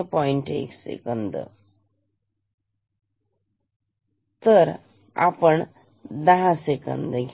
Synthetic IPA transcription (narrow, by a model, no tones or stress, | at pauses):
pɔjiɳʈḛksḛkənd̪ə̰ | t̪əɾ | a̰pəɳ | d̪aɦasekə̰nd̪ɡ